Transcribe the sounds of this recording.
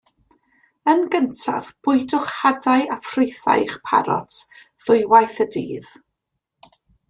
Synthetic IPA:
ənɡəntʰa̰vb̥ʊɨdʊχhadajʔafrɪjθa̰jχpʰa̰ɾɔ̰tʰ | ð̥ʊjwajθədḭːð

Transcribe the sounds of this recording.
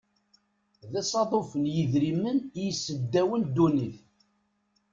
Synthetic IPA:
ðɪsˤɑðˤofənjəðɾimːənjəsːəd̪ːæwənd̪uniθ

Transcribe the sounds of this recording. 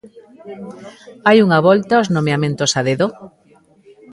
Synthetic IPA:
ajuŋaβɔlt̪aoznõmeamẽnt̪osaðeðo

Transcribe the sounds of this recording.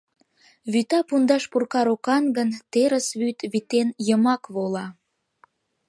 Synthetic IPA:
βyt̪ɑpund̪ɑʃpurkɑɾokɑnɡənt̪eɾəsβyt̪βit̪enjəmɑkβolɑ

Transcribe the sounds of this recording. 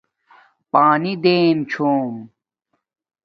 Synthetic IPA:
paːnid̪eːnt͡ɕʰoːm

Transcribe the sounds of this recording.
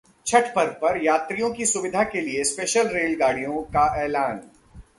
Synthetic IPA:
t͡ʃʰɐʈʰpɐɾpɐɾjaːt̪ɾijõkisʊʋɪd̪ʱakeliespeːʃəlɾeːlɡaːɽ̤ijõkaʔɛːlaːn

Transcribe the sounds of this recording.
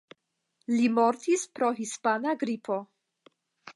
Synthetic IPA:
limo̞ɾtispɾo̞ɦispanaɡɾipʰo̞

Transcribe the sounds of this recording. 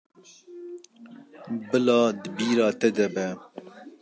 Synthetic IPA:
bɨlɑːd̪ɨbiːɾɑːt̪ɛd̪ɛbɛ

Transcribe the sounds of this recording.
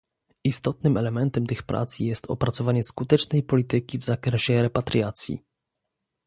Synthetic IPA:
ist̪ɔt̪nɘmɛlɛmɛnt̪ɛmt̪ɘxpɾʔa̰t̪sijɛst̪ʰɔ̰pɾat̪sɔvaɲɛskut̪ɛt͡ʂnɛjpɔlʲit̪ɘkʲivzakɾɛɕɛɾɛpat̪ɾʲjat̪sʲjḭ

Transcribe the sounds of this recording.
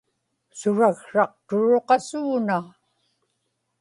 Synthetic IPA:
sʊɻaɣʂɑq̚t̪ʊɻoqɑsuːna

